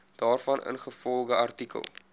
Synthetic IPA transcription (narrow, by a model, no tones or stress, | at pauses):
d̥ɑːrfɐnʔə̰nχəfɔlˠɡəɐrtikə̰lˠ